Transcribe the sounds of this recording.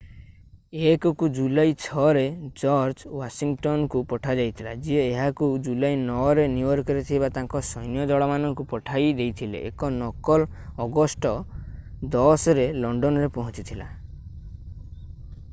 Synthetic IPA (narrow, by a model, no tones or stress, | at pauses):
ekɔkud͡ʒulajt͡ʃʰɔɾed͡ʒɔɾd͡ʒwasiŋʈɔnɔkupɔʈʰad͡ʒajt̪ʰilad͡ʒieːɦakud͡ʒulajnɔɾenuɔɾkɔɾet̪ʰibat̪aŋkɔsɔjnjɔd̪ɔɭɔmanɔŋkupɔʈʰajd̪ejt̪ʰilḛʔḛkɔnɔkɔl | ɔɡɔsʈɔ | d̪ɔsɔɾelɔɳɖɔnɔɾepɔɦɔ̃t͡ʃit̪ʰila̰